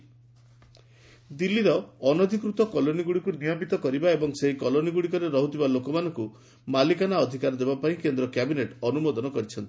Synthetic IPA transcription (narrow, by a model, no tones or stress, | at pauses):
d̪ilːiɾɔːnɔd̪ʱikɾut̪ɔkɔloniɡuɽikunijɔpit̪ɔkɔɾibaebɔŋseɦikɔloniɡuɽikɔɾeɾɔɦut̪ibalokɔmanɔŋku | malikanaɔd̪ʱikaɾɔd̪ebapaĩkend̪ɾɔkjabineʈɔnumɔd̪ɔnɔkɔɾit͡ʃʰɔnt̪i̥